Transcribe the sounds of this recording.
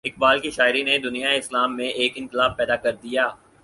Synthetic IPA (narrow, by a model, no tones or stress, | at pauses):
ɪk̚baːlkiʃaːɪɾined̪ʊnijaeɪslaːmːẽʔeːkɪ̃nqɪlaːb̚pɛːd̪akɐɾd̪ijaː